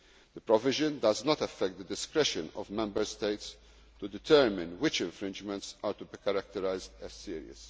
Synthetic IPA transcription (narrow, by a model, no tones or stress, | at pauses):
d̥̪əpɾɔvɪʒə̃nd̪ɐznɔt̪ɐfːɛk̚t̪̚d̪əd̪ɪskɾɛʃə̃nɔ̰vmɛ̃mbəɾst̪eɪt̪s | t̪ud̪ɪt̪ʰɛɾmɪ̃nwɪt͡ʃɛ̃ɱfɾɪ̃nd͡ʒmɛ̃ntsaːɾt̪ubikɐɾak̚t̪əɾajzd̪ɛzsiːɾḭə̰s